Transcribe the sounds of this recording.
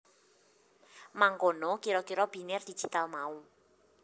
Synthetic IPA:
maŋkonɔkiɾɔkiɾɔb̥i̤nɪrd̪̥i̥d͡ʒ̥it̪almau

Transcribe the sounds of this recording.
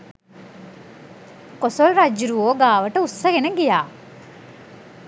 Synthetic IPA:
kosolɾɐd͡ʒiɾuoːɡaːʋɐʈəusːɐɡenɐɡijaː

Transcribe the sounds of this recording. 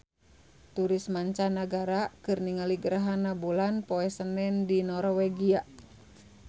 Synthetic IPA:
t̪uɾismaɲt͡ʃanaɡaɾakɨrniŋaliɡəɾaɦanːabulanpɔɛsənɛndinɔrwɛɡia

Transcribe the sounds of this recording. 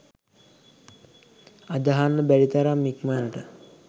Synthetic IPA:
ad̪aɦanːəbælit̪aɾamːikmanəʈə

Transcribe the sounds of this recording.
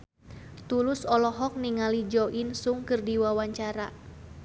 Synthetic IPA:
t̪ulusɔlɔɦɔk̚niŋalid͡ʒɔʔinsuŋkɨrdiwawaɲt͡ʃaɾa

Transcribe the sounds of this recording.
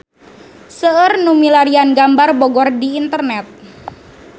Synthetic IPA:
səərnumilaɾianɡambarboɡɔrdiːnt̪ərnɛt̪̚

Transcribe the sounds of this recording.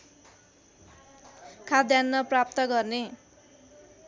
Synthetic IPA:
kʰad̪janːʌprap̚t̪ʌɡʌrne

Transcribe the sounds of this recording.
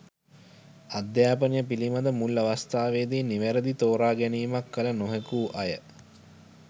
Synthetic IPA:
ad̪jaːpənijəpilimad̪əmulːaʋast̪aːʋeːd̪iːnːiʋæɾəd̪it̪oːɾaːɡæniːmakːələnoɦekuːʔajə

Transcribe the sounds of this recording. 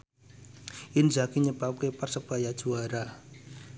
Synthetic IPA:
ʔɪnzakiɲəb̥ap̚keparsəb̥ajad̥ʒ̥uaɾa

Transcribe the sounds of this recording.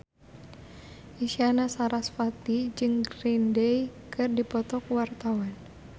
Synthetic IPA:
isianasaɾasfat̪id͡ʒɨŋɡɾindɛjkʰɨrdipɔt̪ɔkuwart̪awan

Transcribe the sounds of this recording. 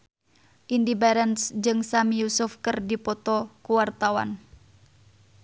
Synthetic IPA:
ʔindibɛɾɛnsd͡ʒɨŋsamijusufkərdipɔt̪ɔkuwart̪awa̰n

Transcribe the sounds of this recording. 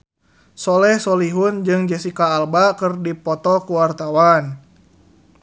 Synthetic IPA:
sɔlɛhsɔliɦʊnd͡ʒɨŋd͡ʒɛsikaːlbakɨrdipɔt̪ɔkuwart̪awan

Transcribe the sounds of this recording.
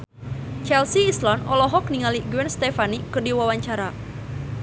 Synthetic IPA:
t͡ʃɛlsiːslɔnʔɔlɔɦɔk̚niŋaliɡuwɛnst̪ɛfanikɨrdiwawaɲt͡ʃaɾa

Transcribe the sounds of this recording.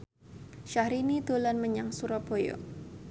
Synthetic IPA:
ʃahɾinid̪olanməɲaŋsuɾabojo̰

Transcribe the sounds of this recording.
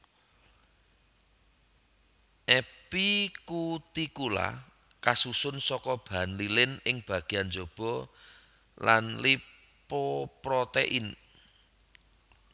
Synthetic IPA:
ʔɛpikut̪ikula̰ | kasusʊnsɔkɔb̥anlilɪnɪŋb̥a̤ɡ̥i̤and͡ʒo̤b̥ɔ̤ | lanli | popɾɔt̪eʔin

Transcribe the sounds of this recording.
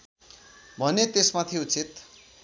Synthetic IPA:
bʱʌnet̪esmat̪ʰiut͡sit̪

